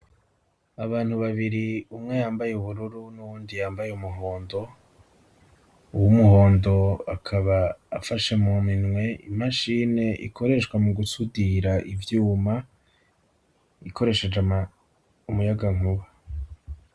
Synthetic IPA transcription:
aβaːn̥huβaβiɾiumŋe̞jaːmbajeuβuɾuɾunuwuːndijaːmbajeumuɦo̞ːndo̞ | uwumuɦo̞ːndo̞akʰaβaːfaʃe̞muminŋwe̞ḭmaʃine̞ʔḭkʰo̞ɾe̞ʃwamuɡusudiɾaʔivjuːma | ikʰo̞ɾe̞ʃe̞d͡ʒam | umujaɡaŋ̥uβa

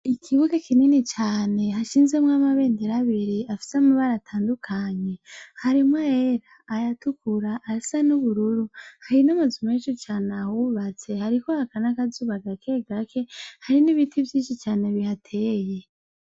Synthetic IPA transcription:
ikʰiβuɡakininit͡ʃaːne̞ɦaʃiːnzemŋamaβe̞ːndeɾaβiɾiafi̥semuβaɾatʰaːndukʰaɲe̞haɾimwaeɾaːjatukuɾaʔːisanuβuɾuɾuhaɾinamuzumet͡ʃut͡ʃaːneahuβat͡se̞haɾikohakanakazuːβaɡakʰe̞ɡakʰe̞haɾiniβitʰivjiːnʃit͡ʃaːne̞βihatʰe̞ːje̞

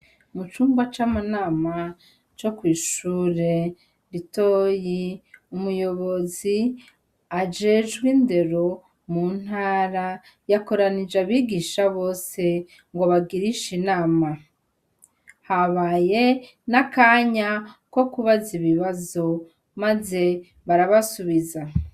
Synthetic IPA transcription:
mut͡ʃuːmɡwat͡ʃamanaːma | t͡ʃo̞kwiːʃuɾe̞ | ɾito̞ːjiumujo̞βo̞zi | ad͡ʒe̞ːʒɡwinde̞ɾo̞ | mun̥haːɾa | jako̞ɾanid͡ʒaβiɡiːʃaβo̞ːse̞ | ŋɡo̞βaɡiɾiʃinaːma | haβaːje̞ | nakaːɲako̞kuβaziβiβazo̞ | maze̞ | βaɾaβasuβiza

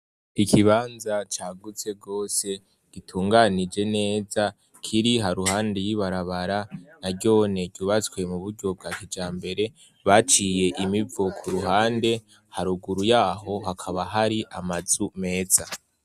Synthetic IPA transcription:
ikʰiβaːnzat͡ʃaːɡut͡se̞ɡo̞ːse̞ | ɡ̥itʰuːŋɡanid͡ʒe̞ne̞ːza | kʰiɾiɦaɾuhaːnde̞jiβaɾaβaɾanaɾɟo̞ːne̞ɟ̥uβat͡skwe̞muβuɾɟo̞b̚ɡaːkid͡ʒaːmbe̞ɾe̞ | βat͡ʃije̞ʔimivokʰuɾuɦaːnde̞ | haɾuɡuɾujaːɦo̞ɦakʰaβaɦaɾiʔamaz̥ume̞ːz̥a

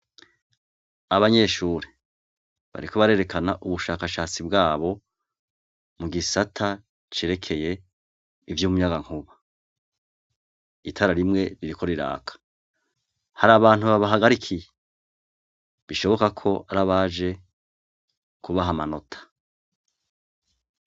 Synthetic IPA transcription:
aβaɲe̞ːʃuːɾe | βa̰ɾiko̞βaɾe̞ːɾe̞kanaʔuβuʃaːkaʃaːt͡sibɡaːβo̞ | muɡisatʰa | t͡ʃe̞ːɾe̞kʰe̞je̞ | ivjuːmuɲaɡaŋ̥uβa | itʰaɾaɾimŋe̞ɾiɾikʰo̞ɾiɾa̰ːkʰḁ | haɾaβaːn̥uβaβaɦaɡaɾikʰije | βiʃo̞βo̞kakʰo̞ʔaɾaβaʒe̞ | kuβaɦamano̞tʰḁ

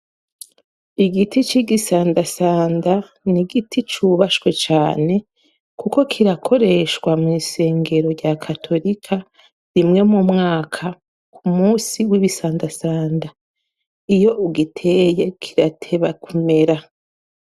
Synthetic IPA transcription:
iɡitit͡ʃiɡisaːndasaːnda | niɡitʰit͡ʃuβaʃwe̞t͡ʃaːne̞ | kuko̞kʰiɾakʰo̞ɾe̞ʃwamŋiːse̞ːŋɡe̞ɾo̞ɾɟakʰatʰo̞ɾikʰa | ɾimŋe̞mumŋaːkʰa | kʰumuːsiwiβisaːndasaːnda | ijo̞ʔuɡitʰe̞ːje̞kʰiɾatʰe̞βakume̞ɾa

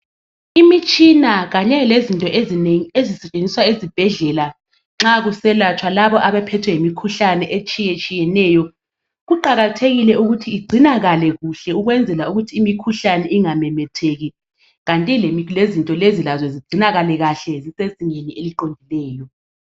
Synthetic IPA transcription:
imit͡ʃʼinaɣaɲɛlezintʼɔʔezineŋiezisɛt͡ʃʼend͡zʱiswaezib̥ʱɛɮɛla | ŋ͡ǁaɣusɛlat͡ʃʰwalaβɔʔaβɛpʰɛtʰwɛjemikʰuɬanɛʔet͡ʃʼijɛt͡ʃʼijɛnɛjɔ | ɣuǃaɣatʰeɣilɛuɣutʰiːɡ͡ǀʱinaɣalɛɣuɬɛuɣwɛnd͡zʱɛlauɣutʰiːmikʰuɬanɛiŋamɛmɛtʰeɣi | ɣantʼilemlezintʼɔlezilazwɛziɡ͡ǀ̥ʱinaɣalɛɣaɬɛziseziŋenieliǃondʱilɛːjɔ

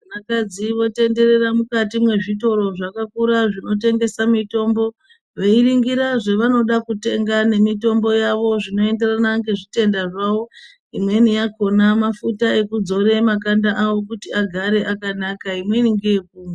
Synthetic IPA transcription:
anakad͡ziʋo̞te̞nde̞re̞ramukatimwe̞ʐito̞ɾo̞ʐakakuɾaʐino̞te̞ŋɡe̞samito̞mbo̞ | ʋe̞iriŋɡiɾaʐe̞ʋano̞ɗakute̞ŋɡane̞mito̞mbo̞jaʋo̞ʐino̞e̞nde̞ranaŋɡe̞ʐite̞ndaʐaʋo̞ | imwe̞nijako̞namafutae̞kud͡zo̞ɾe̞makandaʔawo̞kutiaɡʱaɾe̞ʔakanakaimwe̞niŋɡejekuːme

